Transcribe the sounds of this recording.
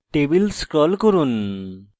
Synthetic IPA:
ʈebilskɾɔlkoɾun

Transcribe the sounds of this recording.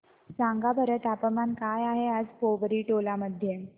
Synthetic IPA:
sãŋɡabʱəɾət̪apəmankajaɦead͡zpoʋəɾiːʈolaməd̪ʱːje

